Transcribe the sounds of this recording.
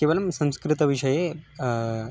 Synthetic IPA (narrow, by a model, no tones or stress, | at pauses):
keːʋɐlɐmsɐ̃mskɾɪt̪əʋiʂɐje